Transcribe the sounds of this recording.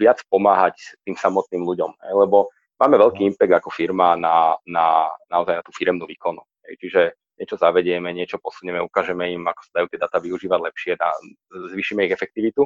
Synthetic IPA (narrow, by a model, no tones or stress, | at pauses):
ʋɪat͡spɔmaːɦact̪iːmsamɔt̪niːmluɟɔmɦɛ̰jlɛbɔ | maːmɛʋɛʎkiːimpɛɡ̚d̪akɔfiɾmanananaɔzajnat̪uːfiɾɛmnuːʋiːkɔnuɦɛ̰jt͡ʃiʒɛ | ɲɛt͡ʃɔzaʋɛɟɪɛmɛɲɪɛt͡ʃɔpɔsuɲɛmɛukaːʒɛmɛimakɔ̥sad̪ajut̪ɪɛd̪aːt̪aːʋiuʒiːʋaɟlɛpʃɪɛna̰ | zʋiːʃimɛiɣɛfɛk̚t̪iʋit̪u